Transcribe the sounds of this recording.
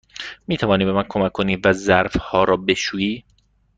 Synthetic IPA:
miːt̪ʰævɒːniːbe̞mænkʰomækʰːoniːvæzæɾfhɒːɾɒːbe̞ʃuːjiː

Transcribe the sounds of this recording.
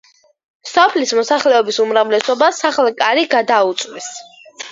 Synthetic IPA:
sɔpʰlismɔsaχlɛɔbisumɾavlɛsɔbasaχlˠkʼaɾiɡad̪aut̪sʼwis

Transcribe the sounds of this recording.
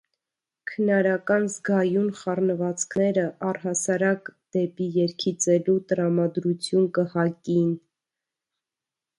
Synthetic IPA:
kʰənɑɾɑkɑnzɡɑjunχɑrnəvɑt͡skʰnɛɾəʔɑrɦɑsɑɾɑkd̪̥ɛpijɛɾkʰit͡sɛlut̪əɾɑmɑd̪ɾut͡sʰjunkəhɑkin

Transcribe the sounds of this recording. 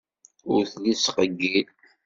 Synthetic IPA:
ʊɾθlisqəɡːil

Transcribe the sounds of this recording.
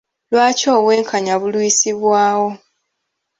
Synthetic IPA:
lwaːco̞ːɣwe̞ːŋkʰaɲaβulwisiβwaːwo̞

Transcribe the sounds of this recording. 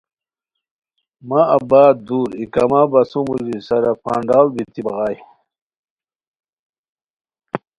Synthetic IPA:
maɐbaːd̪uːɾikɐmabɐsumuzisɐɾɐpa̰ːɳɖaːlbit̪ibɐʁaːj

